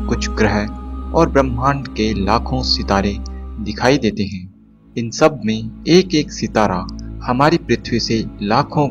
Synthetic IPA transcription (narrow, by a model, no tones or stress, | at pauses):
kʊt͡ʃʰɡɾɛɦɔːɾbɾəmãːɳɖkelaːkʰõsɪt̪aːɾed̪ɪkʰaːid̪eːt̪eɦɛ̃ː | ɪnsɐb̚mẽeːkeːksɪt̪aːɾahɐmaːɾipɾɪt̪ʰwiselaːkʰõ